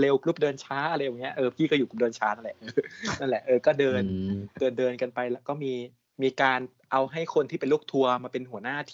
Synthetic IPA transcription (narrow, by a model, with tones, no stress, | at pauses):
le˧wklu˦˥˩p̚dɤː˧nt͡ɕʰaː˦˥ʔa˧ɾa˧jːŋːi˦˥ɐʔɤː˧pʰiː˥˩kɔ˥˩juː˨˩ku˨˧˩dɤː˧nt͡ɕʰaː˦˥na˥˩lɛ˨˩ʔɤː˧na˥˩nlɛ˨˩ʔɤː˧kɔː˥˩dɤː˧ndɤː˨˧n̚dɤː˧nka˧npa˧jlɛː˦˥wkɔː˥˩miː˧ | miː˧kaː˧n | ʔa˧wɦa˥˩jkʰo˧nt̪ʰiː˥˩pe˧luː˥˩k̚t̪ʰu˧ɐmaː˧pe˧nɦu˩˦ɐnaː˥˩t̪ʰː